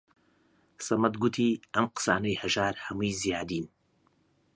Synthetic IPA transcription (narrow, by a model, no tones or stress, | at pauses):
sɐmɐt̪ɡut̪ʰiːʔɐmqɨ̥sa̰ːnɐjhɐʒaːɾhɐmujzijaːd̪iːn